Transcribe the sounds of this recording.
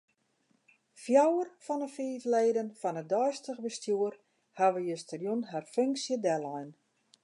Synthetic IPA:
fjawərfɔnəfiːvleːdənfɔnədɔjstəɣbəstjuər | haʋəjəstərjunɦarføŋksjədɛlɔjn

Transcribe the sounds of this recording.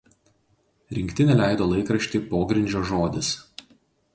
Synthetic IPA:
ɾʲɪŋʲkʲt̪ʲɪnʲɛlʲæˑɪd̪oːlˠɐɪkɾɐʃʲt̪ʲiːpoːɡɾʲɪnʲd͡ʒʲoːʒoːd̪ʲɪs

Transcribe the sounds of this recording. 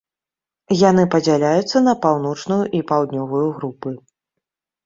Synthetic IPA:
janɨpɐd͡zʲalʲajut̪sːɐnɐpawn̪ɔt͡ʂnujuʔipawd̪nʲɔvujuɣɾupɨ

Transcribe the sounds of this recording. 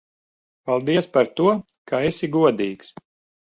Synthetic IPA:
palˠd̪iɛspaɾt̪uɔ | kʰaɛsiɡuɔd̪iːks

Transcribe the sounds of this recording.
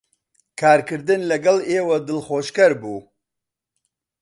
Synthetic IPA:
kʰaːɾkɨɾd̪ɨnlɐɡɐleːwɐd̪ɨlχoːʃkɐɾbuː

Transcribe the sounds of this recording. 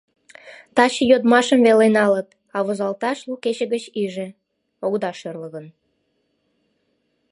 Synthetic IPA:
t̪ɑɕəjod̪mɑʃəmvelenɑlət̪ | ɑβozɑlt̪ɑʃluket͡ɕəɣət͡ɕiʒĕ | oɣd̪ɑʃørləɣən

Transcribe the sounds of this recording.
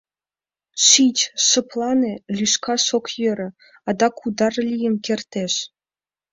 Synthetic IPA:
ʃit͡ɕʃɤ̆plˠɑnʲelʲyʃkɑʃokjøɾʲɘ̆ | ɑd̪ɑkud̪ɑrlʲijɘ̆nkʲert̪ʲeʃ

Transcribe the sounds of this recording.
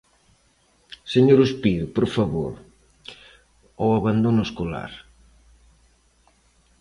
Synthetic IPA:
seɲoɾʊspiɾʊpoɾfaβo̰ɾ | owaβand̪onʊeskola̰ɾ

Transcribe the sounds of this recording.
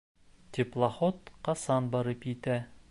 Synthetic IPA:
t̪ʲeplˠaχot̪qɑsɑnbɑɾɤpjit̪æ

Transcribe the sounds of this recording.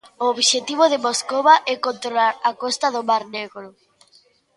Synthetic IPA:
ooβʃet̪iβ̞ʊð̞ɪmoskoβaʔɛkont̪ɾolaɾakost̪ɐðʊmaɾneɣɾʊ

